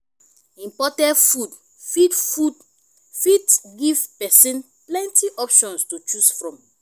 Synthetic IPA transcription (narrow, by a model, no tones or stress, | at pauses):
ĩmpɔtɛ̃ntfud | fidfud | fitɡivpɛsĩn | plɛ̃ntiʔɔpʃɔ̃nstut͡ʃusfɹɔ̃m